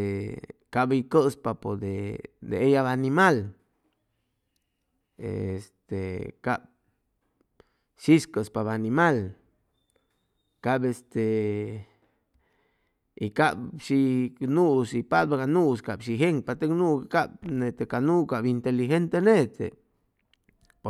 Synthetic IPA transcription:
kabikəʔspapod̪ed̪eejaβanimal | ḛest̪ekab̚ | ʃiskəspabanimal | kabest̪e | ikabʃinuʔsipad̪̚bakanuskabʃiɦeŋ̚pat̪eknukab̚net̪ekanukabint̪elixent̪enet̪ḛ | p

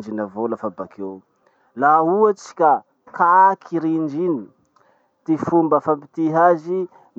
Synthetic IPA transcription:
d͡ʒinavolafabakʰew | lauat͡si̥kʲa | kakʰiɾind͡ʒini | t̪ifumbəfampi̥t̪iɦazi | n

